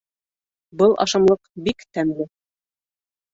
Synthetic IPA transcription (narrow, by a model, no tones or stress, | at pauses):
bɤlˠʔɑ̰ʃɑmlˠɤqbikt̪ænlɘ